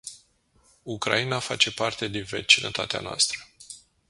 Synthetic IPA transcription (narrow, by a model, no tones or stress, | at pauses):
ukɾa̰inafa̰t͡ʃe̞part̪e̞d̪inve̞̰t͡ʃinʔə̰t̪a̰t̪ea̰noa̰st̪ɾə